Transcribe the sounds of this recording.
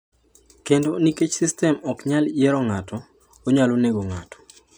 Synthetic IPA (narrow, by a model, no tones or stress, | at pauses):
kendoniket͡ʃsistɛmɔkɲaljɛɾɔŋatʰɔ | oɲaloneɡoŋa̰tɔ̥